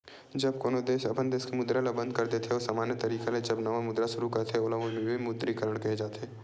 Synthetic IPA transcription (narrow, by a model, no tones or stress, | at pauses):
d͡ʒɐbkoːnod̪eːʃɐbʰə̃nd̪eːskemʊd̪ɾalabɐ̃nd̪̚kɐɾt̪et̪ʰeoːsaːmaːnjət̪ɐɾiːkeled͡ʒɐbnɐʋamʊd̪ɾaʃʊɾukɐt̪ʰeoːlaʋomebimʊd̪ɾikəɾəɽ̃kɐɦed͡ʒaːt̪eː